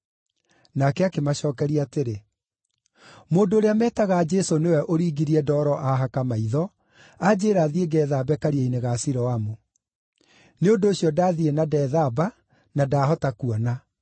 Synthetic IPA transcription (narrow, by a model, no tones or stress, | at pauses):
nakɛakemaɕɔːkɛɾiaːteɾe | moːndoːɾeamɛːtaɣad͡ʒɛsonewɛʔoɾiːɡiɾiɛdɔːɾɔʔaɦakamaiðɔ | ad͡ʑeːɾaðieɡɛːðabɛkaɾiaineɣasiɾɔamo | neondoːɕijɔdaːðienadɛðaba | nadaːɦɔtakuɔna